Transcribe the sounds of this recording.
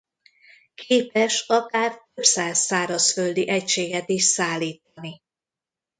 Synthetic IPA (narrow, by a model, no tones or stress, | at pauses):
kʰeːpɛʃɒkaːrt̪øbsaːzːaːɾɒsføld̪iʔɛcʃeːɡɛt̪iʃt̪saːlːiːt̪ɒni